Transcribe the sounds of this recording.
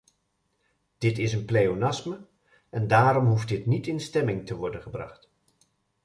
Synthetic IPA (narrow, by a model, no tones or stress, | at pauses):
d̥ɪtɪsənpleonɑsmə | ɛndaːɾɔmɦuft̚dɪtnitɪnstɛmɪŋtəʋɔɹdənχəbrɑ̰χt